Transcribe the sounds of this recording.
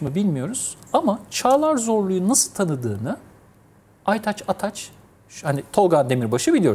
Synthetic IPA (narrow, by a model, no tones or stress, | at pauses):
mɯbilʲmijo̞ɾuz̥amat͡ʃʰaːlˠaɾzo̞ɾlˠujunːasɯlˠt̪ʰanɯd̪ɯːnɯ | ajt̪ʰat͡ʃat̪ʰat͡ʃ | hanit̪ʰo̞lˠɡand̪e̞miɾbaʃɯbilʲijo